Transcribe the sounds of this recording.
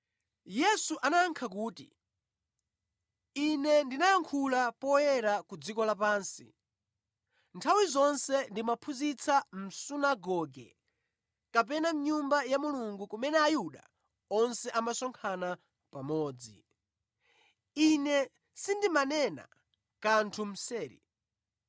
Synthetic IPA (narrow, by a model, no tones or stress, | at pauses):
jɛsuʔanaːŋkʰak̬uːtḭ | inɛndinajaŋkʰulapɔjɛɾakud͡zikɔlapaːnsḭ | ntʰawizɔnsɛndimapʰuzit͡sʰam̩sunaɡɔɡɛ̰ | kap̬ɛnam̩ɲumbajamuluŋɡukumɛnɛajuɗa̰ | ɔnsɛʔamasɔŋkʰana | pamɔːd͡zḭ | inɛ | sindimanɛna̰ | kantʰum̩sɛːɾḭ